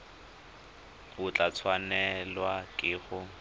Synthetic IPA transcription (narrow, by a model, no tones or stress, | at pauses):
ʊt͡ɬʼat͡sʰwanɛlwakʼɪːχʊ